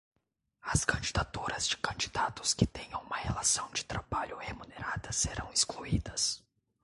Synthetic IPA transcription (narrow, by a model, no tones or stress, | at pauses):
ɐskɐ̃nd͡ʒid̪at̪uɾɐzd͡ʒɪkɐ̃nd͡ʒid̪at̪ʊ̥skɪt̪ẽjɐ̃umɐhelasɐ̃w̃d͡ʒɪt̪ɾabaʎʊhemuneɾad̪ɐseɾɐ̰̃w̃ɪskluid̪ɐs